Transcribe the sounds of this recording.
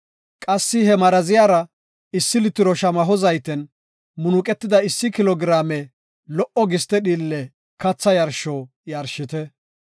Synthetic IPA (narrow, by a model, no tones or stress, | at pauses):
kʼɐsːɪhɛmɐɾɐzɪjaːɾɐ | ɪsːɪlɪt̪ːɪɾɔʃɐmɐɦɔzɐjt̪ɛn | mʊnʊkʼɛt̪ːɪd̪ɐɪsːɪkɪlɔɡɾaːmɛ | lɔʔɔɡɪst̪ɛɗiːlːɛ | kɐt͡sːɐjɐɾʃoː | jɐɾʃɪt̪ɛ